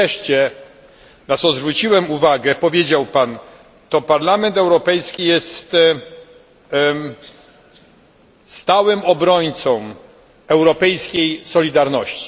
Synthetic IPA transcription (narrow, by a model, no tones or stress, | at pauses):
ɛʂt͡ɕɛ | nat̪sɔzvɾut͡ɕiwɛmuvaɡɛpɔvʲjed͡ʑawpan | t̪ɔpaɾlamɛnt̪ɛwɾɔpɛjskʲijɛst̪ | st̪awɘmɔbɾɔɲt̪sɔ̃m | ɛwɾɔpɛjskʲejsɔlʲid̪aɾnɔɕt͡ɕi̥